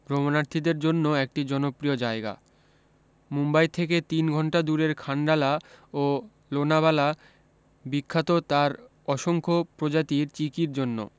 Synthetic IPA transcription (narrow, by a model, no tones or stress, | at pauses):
ɡɾomonaɾt̪ʰid̪eɾd͡ʑonːoek̚ʈid͡ʑɔnopɾiod͡ʑaeɡa̰ | mumbajt̪ʰeket̪inɡʱɔɳʈad̪uɾeɾkʰaɳɖalao | lonaβala | bikʰːat̪ot̪aɾ | ɔʃoŋkʰopɾod͡ʑat̪iɾt͡ɕikiɾd͡ʑonːo̰